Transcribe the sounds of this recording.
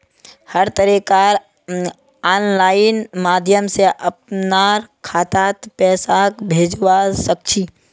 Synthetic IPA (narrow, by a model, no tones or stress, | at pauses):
həɾt̪əɾikaːɾ | aːnlaːɪnmaːd̪ʱjəmseʔəp̚naɾkʰaːt̪aːt̪pɛːsakbʱeːd͡ʒʋasək̚t͡ʃʰiː